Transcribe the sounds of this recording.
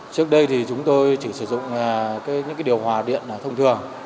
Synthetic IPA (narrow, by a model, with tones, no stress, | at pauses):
t͡ɕɨ˦˥ək̚ɗə˧jt̪ʰi˨˩t͡ɕʊ˨˦ŋ͡mt̪o˧jt͡ɕi˧˩sɨ˧˩zʊ̰˧˨ŋ͡mkaː˨˦jɲɨ̰˧˥kaː˨˦jɗi˨˩əwhwaː˨˩ɗḭ˧˨ənː˨˩t̪ʰə˧wŋ͡mt̪ʰɨ˨˩əŋ